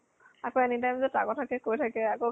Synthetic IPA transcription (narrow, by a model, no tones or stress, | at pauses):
akɔɛniʈajmzeʈakotʰakekoetʰakeako